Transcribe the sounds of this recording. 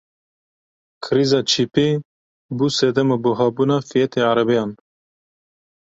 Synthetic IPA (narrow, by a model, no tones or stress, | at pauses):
kʰɨɾiːzɑːt͡ʃʰiːpeː | busɛd̪ɛmabuɦɑːbuːnɑːfijɛt̪ʰeːaɾɛbejɑːn